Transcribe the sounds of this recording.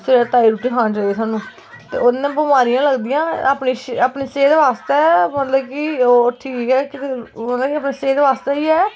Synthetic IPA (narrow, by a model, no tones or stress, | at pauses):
sɪɾɛːt̪aːiːɾuːʈiːkʰãːt͡ʃaieːsaːnũː | t̪ḛːʔoːd̪nãːbəmaːɾɪjãːləɡd̪ɪjãːəpniːʃəpniːseːd̪ʋaːst̪ɛːmət̪ləbkɪoːʈʰiːkɛːkɪt̪mət̪ləbkiəpniːseːd̪ʋaːst̪eːiːɛː